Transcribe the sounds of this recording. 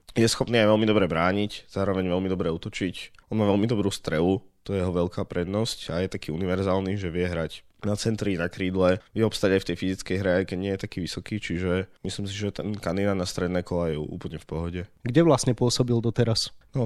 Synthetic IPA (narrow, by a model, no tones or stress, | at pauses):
jɛsxɔpniːajʋɛlmid̪ɔbɾɛbɾaːɲicz̥aːɾɔʋɛɲʋɛlmid̪ɔbɾɛut̪ɔt͡ʃicʔɔnmaːʋɛlmid̪ɔbɾuːst̪ɾɛʋut̪ɔjɛjɛɦɔʋɛlkaːpɾɛd̪nɔscajɛt̪akiːuniʋɛɾzaːlniʒɛʋɪɛɦɾac | nat͡sɛnt̪ɾinakɾiːd̪lɛʋɪɛɔpst̪aɟajft̪ɛjfizit͡skɛjɦɾɛajkɛɟɲɪɛjɛt̪akiːʋisɔkiːt͡ʃiʒɛmislims̬iʒɛt̪ɛnkand̪iːnanast̪ɾɛd̪nɛːkɔlajɛṵːpl̩ɲɛfpɔɦɔɟɛɡɟɛʋlasɲɛpʊɔsɔbild̪ɔt̪ɛɾasnɔ